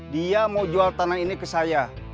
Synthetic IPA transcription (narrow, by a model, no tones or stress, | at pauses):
diamawd͡ʒualt̪anainikəsaja